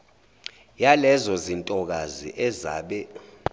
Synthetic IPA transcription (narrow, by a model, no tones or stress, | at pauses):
jalɛzɔzintʼɔk̬azḭʔɛza̰ːɓɛ